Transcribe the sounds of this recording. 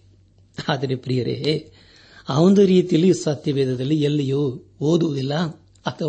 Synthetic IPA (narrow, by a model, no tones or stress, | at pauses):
aːðɐɾepɾijɐɾḛː | aʋɔnd̪ɐɾiːt̪ijlːisɐt̪jɐʋeːd̪ɐðɐlːiɛlːɐjoːoːd̪ɯʋɐd̪ilːɐ | ɐt̪ɐ